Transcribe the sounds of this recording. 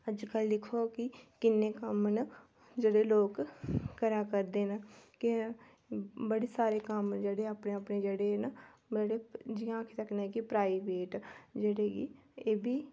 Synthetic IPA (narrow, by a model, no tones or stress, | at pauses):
əd͡ʒkəlːɪkʰoːkɪkɪnːeːkəmn | d͡ʒeːɽeːloːkkəɾaːkəɾd̪eːnəkɪ | bəɽeːsaːɾeːkəmd͡ʒeːɽeːapneːapneːd͡ʒeːɽenəeːɽeːd͡ʒɪjãːkʰet̪əknaɛ̃kipɾaːibeːʈd͡ʒeːɽeːɡiːeːbiː